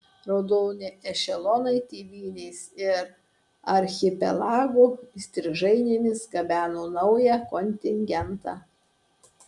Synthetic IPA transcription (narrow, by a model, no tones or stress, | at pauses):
ɾoːd̪oːnʲɪɛʃʲɛlˠɔnɐɪt̪ʲiːʋʲiːnʲɛɪsɪɾ | ɐɾʲxʲɪpʲɛ̰lˠɑːɡusʲt̪ʲɾʲɪʒɐɪnʲemʲɪsɡɐbʲæːnoːnɐʊjɛkɔnʲt̪ʲɪŋʲɡʲɛnt̪ɑː